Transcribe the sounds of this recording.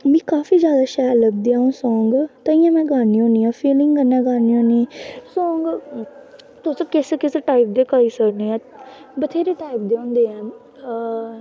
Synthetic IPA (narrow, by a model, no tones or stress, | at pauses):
mɛ̃ːkaːfiːzjaːd̪aːʃaːɾləb̚d̪iːaːũːsɔ̃ːŋɡt̪aːĩːãːmɛ̃ːɡaːniːɦõːniːãːfʰiːlɪ̃ŋɡɡənːãːɡaːniːɦõːnisɔ̃ːŋɡ | t̪osəb̚kɛːsekeseʈaːɪp̚d̪eːkaːiːsəɾneːãː | bət̪ʰeːɾeːʈaːɪp̚d̪eːɦõːnd̪eːãː